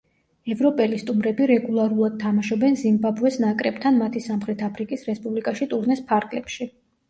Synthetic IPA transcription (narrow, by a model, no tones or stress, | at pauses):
ɛvɾɔpʼɛlist̪ʼumɾɛbiɾɛɡulˠaɾulˠad̪̥̚t̪ʰamaʃɔbɛnzimbabuɛsnakʼɾɛbt̪ʰanmat̪ʰisamχɾɛt̪ʰapʰɾikʼisɾɛspʼublikʼaʃit̪ʼuɾnɛspʰaɾɡlɛpʃi